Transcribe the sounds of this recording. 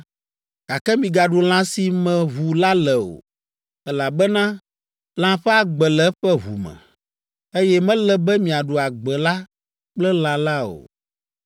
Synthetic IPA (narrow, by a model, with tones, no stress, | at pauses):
ɡ̥a˨kɛ˦mĩ˨ɡa˨ɖo˨l̃ã˦si˨mɛ̃˨βu˨la˦lɛ˨o̰˨ | ɛ˦la˨bɛ˦nã˦ | l̃ã˦ɸɛ˦a˨ɡ͡bɛ˨lɛ˦ɸɛ˦βṵ˨mɛ̰̃˨ | e˦jɛ˦mɛ̃˦lɛ˦bɛ˦mĩ˨a˨ɖo˨a˨ɡ͡bɛ˨la˦ | k͡plɛ˦l̃ã˨la˦o̰˨